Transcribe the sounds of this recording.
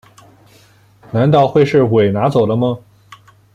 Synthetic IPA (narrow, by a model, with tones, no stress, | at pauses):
na˧˥nt̪ɑ˥˧ʊxwe˥˧ɪʂɻ̩˥˩we˨˩ɪna˧˥t͡so˨˩d̪ə˦mə˧